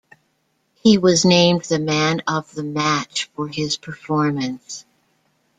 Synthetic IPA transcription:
hiwʌznẽɪ̃mðɨmæ̃nʌvðəmæt͡ʃfə˞ɪz̥pʰə˞fɔɹmɨ̃ns

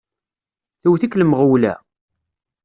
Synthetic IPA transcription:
θuwθikːləmʁəwlæ̰

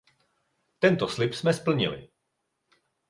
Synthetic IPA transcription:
t̪ɛnt̪oslɪpsmɛspl̩ɲɪ̰lɪ̰

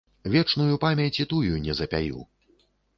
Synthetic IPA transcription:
vʲɛt͡ʂnujupamʲɐt͡sʲit̪ujunʲɛzɐpʲa̰jṵ

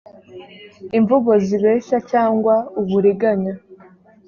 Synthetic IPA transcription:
iɱvuɡo̞ziβe̞ːʃacaːŋɡwauβuɾiɡaɲa

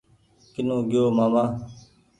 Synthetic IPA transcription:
kɪnõːɡɪjoːmaːmãː

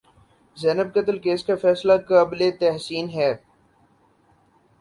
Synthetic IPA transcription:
zɛːnəb̚kət̪əlkeːskafɛːslakəblet̪ɛɦsiːnɦɛː

